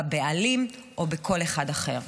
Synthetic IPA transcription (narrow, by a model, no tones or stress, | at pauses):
bealim | ʔo̞bekʰo̞leχadaχe̞̰ʁ